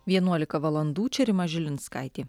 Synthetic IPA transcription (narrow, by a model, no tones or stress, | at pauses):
ʋʲiɛnuɔlʲɪkɐʋɐlˠɐnd̪uːt͡ʃʲɛɾʲɪmɐʒʲɪlʲɪnskɐɪt̪ʲiː